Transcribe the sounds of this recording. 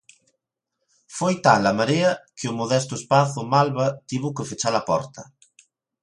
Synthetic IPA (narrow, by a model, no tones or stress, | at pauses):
fojt̪alɐmaɾeɐkɪʊmoðɛst̪ʊespaθʊmalβɐt̪iβʊkefet͡ʃalɐpɔ̰ɾt̪ɐ